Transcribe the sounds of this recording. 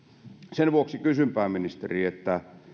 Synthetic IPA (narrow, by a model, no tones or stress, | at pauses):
senʋuoksikysympæːminist̪eriet̪ːæ